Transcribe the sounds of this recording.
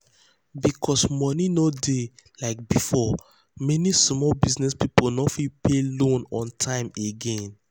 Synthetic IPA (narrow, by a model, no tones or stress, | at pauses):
bikʰɔsmɔninodelaɪk̚bifɔ | mɛnismɔlbiznɛspiponɔfipʰelõnɔ̃ntʰãɪ̃meɡẽn